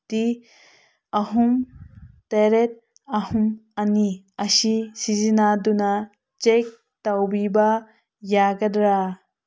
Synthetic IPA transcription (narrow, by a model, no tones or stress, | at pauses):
ti | ɐɦumt̪eɾet̪̚ | ɐhumani | ɐsisizinaduna | t͡ʃek̚ | t̪awbiba | jaɡɐdɾa